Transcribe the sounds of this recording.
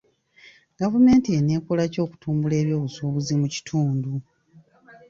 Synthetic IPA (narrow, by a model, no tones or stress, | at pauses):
ɡ̥avume̞ːntieneːkolaco̞ːku̥tʰuːmbule̞ːβjo̞ːβusoːβuzimuci̥tʰuːndu